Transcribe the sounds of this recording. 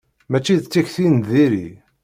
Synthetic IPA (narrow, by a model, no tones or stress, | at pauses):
mæt͡ʃːiðt͡sːiçθint̪ðiɾḭ